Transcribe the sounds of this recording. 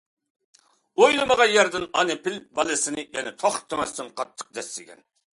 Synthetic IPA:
ojlˠɨməʁɑnjɛɾd̪ɨnɑnɨpʰɪlbɑlˠɨsɨnɨjɛnɛt̪ʰoχt̪ʰːømɛst̪ɨnqʰɑt̪ʰːə̥q̚d̪ɛsːɪɡʲɛ̰n

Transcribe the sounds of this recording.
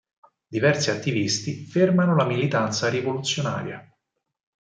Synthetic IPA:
d̪ivɛrsiat̪ːivist̪ifermanolamilit̪ant̪saɾivolut̪sːjona̰ːɾja

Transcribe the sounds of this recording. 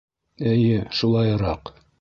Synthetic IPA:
ɘ̆jɘʃulˠɑjɾɑq

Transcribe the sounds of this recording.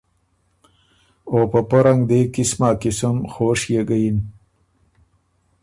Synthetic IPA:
oːpəpɐɾaŋɡd̪eːkismaːkisəmxoːʂjeɡɐjin

